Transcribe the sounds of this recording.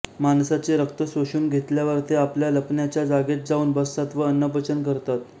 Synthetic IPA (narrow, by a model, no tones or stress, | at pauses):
mansat͡seɾək̚t̪əsoɕuːmɡʱet̪ljaʋəɾt̪eapljaləpnjat͡ɕjad͡zaɡet̪̚d͡zauːnbəsːat̪ʋəənːəpət͡ɕənkəɾt̪at̪